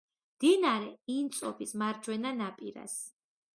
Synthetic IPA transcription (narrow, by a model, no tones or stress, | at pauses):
md̪̥inaɾɛint̪sʼɔpʰismaɾd͡ʒwɛnanapʼiɾa̰s